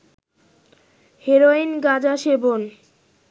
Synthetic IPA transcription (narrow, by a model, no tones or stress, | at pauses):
heɾoinɡad͡ʑaʃebon